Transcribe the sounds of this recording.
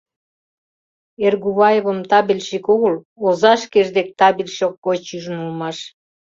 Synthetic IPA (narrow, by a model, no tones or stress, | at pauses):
erɣuβɑjeβə̆mt̪ɑβilʲʃikoɣəl | ozɑʃkeʒd̪ek̚t̪ɑβilʲʃok̚ːot͡ɕyʒənulmɑʃ